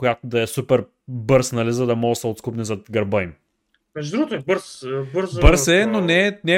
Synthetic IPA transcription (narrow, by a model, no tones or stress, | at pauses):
kojat̪od̪ɐɛsupɛɾ | bɤɾsnɐlizɐd̪ɐmɔɡəsɛot̪skupnɛzɐt̪ɡɐɾbəim | mɛʒd̪ɾuɡot̪oɛbɤɾsbɤɾzbəɾsɛnonɛnɛ